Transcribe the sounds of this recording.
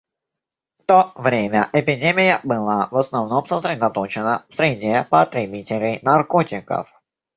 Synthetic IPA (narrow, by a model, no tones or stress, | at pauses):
ft̪o̞vɾʲemʲəʔɪpʲɪdʲemʲɪjəbɨlˠavəsnɐvno̞msəsɾʲɪd̪ɐt̪o̞t͡ɕɪnəfsɾʲɪdʲepət̪ɾʲɪbʲitʲɪlʲɪjnɐrko̞tʲɪkə̰f